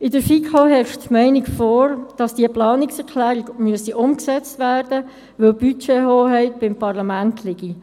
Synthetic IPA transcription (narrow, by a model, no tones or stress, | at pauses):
ɪdəɾfikʰoɦɛɾʃtmɛɪnɪkfɔːɾd̥ɑsd̥iəplɑːnɪksɛɾkʰlæːɾɪɡmyəsiʔʊmksɛt͡stʋæːrd̥ə | ʋɵlb̥yt͡ʃeɦoːɦɛɪt̚b̥ɪmpʰɑrlɑmæntʰlɪɡi